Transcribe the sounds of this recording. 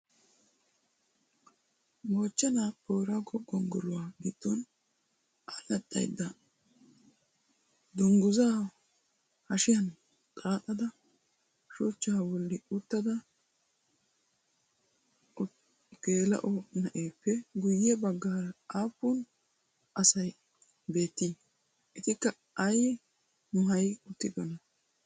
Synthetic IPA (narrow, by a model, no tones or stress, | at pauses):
moːt͡ʃːɛnapoːɾɐɡɔɡɔŋɡɔlʊwaːɡit̪ːɔn | ʔalɐt̪ʼːɐ̰jd̪ːɐ | d̪ʊŋɡʊzaː | hɐʃɪjɐn | tʼaːt̪ʼːɐd̪ɐ | ʃɔt͡ʃːaːwɔlːɪʊt̪ːɐd̪ɐ | ɡ̥e̞ːlɐ̰ʔɔnɐʔeːpːɛɡʊjːɛbɐɡːaːɾɐaːpːʊn | ʔɐsɐj | be̞ːt̪ːiː | ʔɪt̪ɪkːɐ | ɐj | nʊɦɐjʊt̪ːɪɡɐnɐ